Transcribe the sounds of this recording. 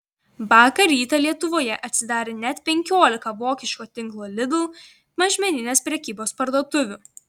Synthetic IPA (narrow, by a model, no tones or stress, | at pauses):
bɑːkɐɾʲiːt̪ɐlʲiɛt̪ʊʋoːjɛʔɐt̪ʲsʲɪd̪ɑːɾʲeːnʲɛt̪pʲɛŋʲkʲoːlʲɪkɐʋoːkʲɪʃʲkoːt̪ʲɪŋˑklˠoːlʲɪd̪uː | mɐʒʲmʲɛnʲɪnʲeːspʲɾʲɛkʲiːboːspɐɾd̪oɔt̪ʊʋʲʊː